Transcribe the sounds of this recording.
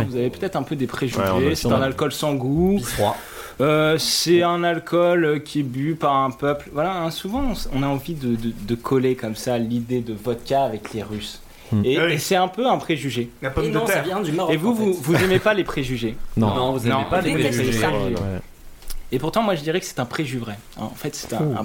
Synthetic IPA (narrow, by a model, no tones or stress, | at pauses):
vuzavepøt̪ɛt̪χɛ̃pød̪epχeʒyʒesɛt̪ɛ̃nalkɔlsɑ̃ɡua | øsɛɛ̃nalkʰɔløkʲiɛbypaʁɛ̃pœplvwalaɛ̃suvɑ̃sɔ̰̃naɑ̃vid̪əd̪əd̪əkʰɔlekɔmsalid̪ed̪əvɔt̪kʲaːvɛkleʁys | esɛt̪ɛ̃pøɛ̃pχeʒyʒeapɔmnɔ̃savjɛ̃d̪maevuvuvuzemepalepχeʒyʒeñɔ̃vuznɔ̃palealeχeʒ | epuʁt̪ɑ̃mwaʒəd̪iʁɛkə̥sɛ̥t̪ɛ̃pχeʒyvʁɛ̰̃ɑ̰̃fɛt̪sɛ̥t̪ɛ̃